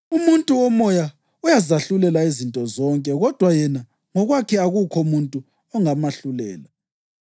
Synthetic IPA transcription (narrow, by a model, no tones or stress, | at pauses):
umuntʼuwɔmɔja | ujazaɬulɛlaizintʼɔzɔŋkʼɛɣɔd̥ʱwajɛna | ŋɔɣwakʰɛaɣukʰɔumuntʼu | ɔŋamaɬulɛːla